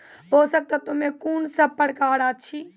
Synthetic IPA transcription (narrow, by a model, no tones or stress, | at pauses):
boːsək̚t̪ət̪umẽkunsəb̚pəɽ̤kaːɽat͡ʃʰi